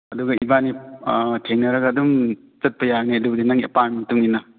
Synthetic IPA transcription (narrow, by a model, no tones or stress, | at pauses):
ɐduɡɐibanitʰeŋnɐɾɐɡɐːdum | t͡ʃɐt̚pɐjaɡneɐdubɐdinaŋḛpanmɐtuŋinɐ